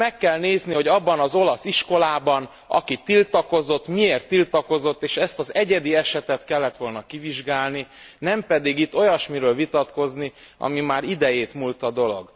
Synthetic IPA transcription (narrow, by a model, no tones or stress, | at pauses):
ɛkːɛlneːzniho̞ɟɒbːɒnɒzo̞lɒsiʃko̞laːbɒn | ɒ̰kit̪ilt̪ɒko̞zo̞t̪ːmieːrt̪ːilt̪ɒko̞zo̞t̪ːeːʃɛst̪ɒzɛɟɛd̪iɛʃɛt̪ɛt̪kɛlːɛt̪ʋo̞lnɒkiviʒɡaːlni | nɛmpɛd̪iɡit̪ːo̞jɒʃmiɾøːlvit̪ɒt̪ko̞zni | ɒ̰mimaːɾid̪ɛjeːt̪mult̪ɒd̪o̞lo̞̰ɡ